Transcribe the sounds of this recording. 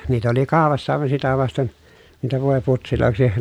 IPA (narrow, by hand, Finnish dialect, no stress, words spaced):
niːt oli kɑˑopɑsːɑ ɑˑeʋɑn sitæ ʋɑsten niːtæ ʋoˑeputsiloˑeksi